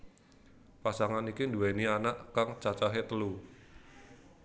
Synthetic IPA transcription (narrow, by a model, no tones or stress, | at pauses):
pasaŋanikinduwɛnianaʔkaŋt͡ʃat͡ʃaɦet̪əlu